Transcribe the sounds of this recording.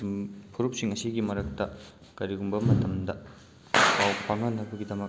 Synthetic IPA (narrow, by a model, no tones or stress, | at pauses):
pʰuɾup̚siŋɐsiɡimɐɾɐk̚tɐ | kɐɾiɡumbɐmɐtɐmdɐ | pawpʰaŋɐnɐbɐɡidɐmɐk